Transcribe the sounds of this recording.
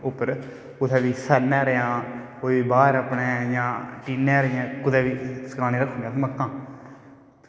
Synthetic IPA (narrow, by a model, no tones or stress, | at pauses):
ʊpːəɾ | ʊt̪ʰɛːʋiːsənɛ̃ːɾeãːkoːiːbaːɾəpɳẽːjãːʈinɛːɾjãːkʊd̪ɛːʋiːsə̥kaːneːɾəkʰːʊ̃ŋɡaːsiməkːãː